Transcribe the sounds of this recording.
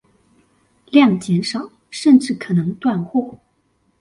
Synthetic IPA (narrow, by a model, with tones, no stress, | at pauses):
ljɑ˥˩ŋt͡ɕjɛ˧˥nʂɑ˨˩˦ʊ | ʂə˥˧nʈ͡ʂɻ̩˥˩kʰɤ˨˩nɤ˧˥ŋt̪wa˥˧nxwɔ˥˩